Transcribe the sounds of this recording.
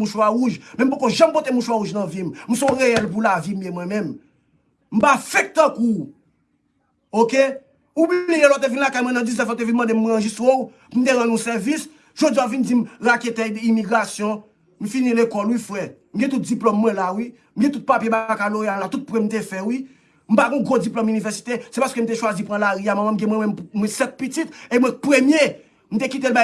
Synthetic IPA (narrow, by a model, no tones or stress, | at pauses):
mũʃwaɣuʒmɛ̃m̩p̬okoʒãm̩pot̪emũʃwaɣuʒnɐ̃vimm̩sɔ̃ʁeɛlpulavim̩jemwɛ̃mɛ̃m | m̩pafɛk̚t̪ãku | oke | ubllijelɔt̪̬evinlakajmwɛ̃nɐ̃d͡ziznɛfɔt̪̬evinmɐ̃d̪emuɣãʒist̪wow | pum̩t̪eɣãnũsɛvis | ʒ̥od͡ziavind͡zimɣaket̪ɛdimiɡʁasjɔ̃ | m̩finĩlekɔlwifwɛm̩ɡɛ̃t̪ut̪̚d͡ziplɔmːwɛ̃lawi | m̩ɡɛ̃t̪̬ut̪̚papjebakaloealat̪ut̪̚pwɛm̩t̪efɛwi | m̩paɡɔ̃ɡʁod͡ziplɔmynivɛʁsi̥t̪esɛpaskøm̩t̪eʃwazipʁɐ̃laɣiamãmãmɡɛ̃mwɛ̃mɛ̃mmwɛ̃sɛt̪̚pit͡sit̪emwɛ̃pʁemje | m̩t̪ekit̪elba